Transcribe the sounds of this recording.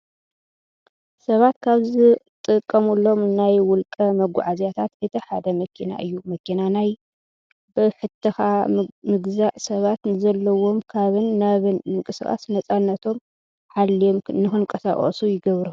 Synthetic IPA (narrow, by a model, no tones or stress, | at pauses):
sɐβat̪kʰaβzɨt̪ʼɨkʼːɐmulːo̞mnajwʊlkʼɐmɐɡʷʊ̰ʕazjat̪ʰat̪ɨt̪ʰɐħad̪ɐmɐkʰina̰ʔɨjːumɐkʰinanaj | bɨħɨt̪ʰːɨxamɨɡzaʕsɐβat̪nɨzɐlːɐwo̞mkʰaβɨnːaβɨnmɨŋkʼɨsɨxʼa̰snɐt͡sʼanːɐt̪ʰo̞m | ħalːiomnɨxɨnkʼɐsa̰χʼɐ̰sujɪɡɐβɾu